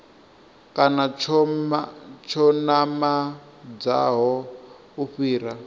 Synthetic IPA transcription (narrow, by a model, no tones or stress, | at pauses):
kʼanat͡ʃʰɔ | t͡ʃʰɔnama | d͡za̰ɦɔ | uɸiːɾa